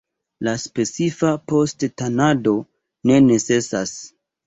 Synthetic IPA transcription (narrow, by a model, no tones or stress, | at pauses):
laspe̞t͡sifapo̞sttanado̞ | ne̞ne̞t͡se̞sas